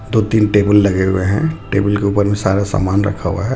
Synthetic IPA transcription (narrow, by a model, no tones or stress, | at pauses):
d̪oːt̪iːnʈeːbəlːɐɡeɦʊ̰eɦɛ̰̃ʈeːbəlkeuːpəɾbʱĩsa̰ːɾasa̰ːmaːnɾɐ̰kʰaɦṵa̰ɦɛ